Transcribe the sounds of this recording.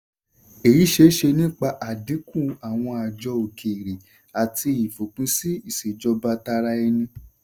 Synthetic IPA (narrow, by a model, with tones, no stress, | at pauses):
e˨ji˨˦ʃe˦ʃe˧nĩ˦k͡pa˧ʔa˨dĩ˨˦kũ˦˨a˨w̃ɔ̃˧a˨d͡ʒɔ˧o˨kʰe˨ɾi˨ | a˨ti˧i˨fo˨k͡pũ˨˦si˦i˦˨se˨d͡ʒɔ˧ba˧ta˧ɾa˧˦ɛ˧nĩ˧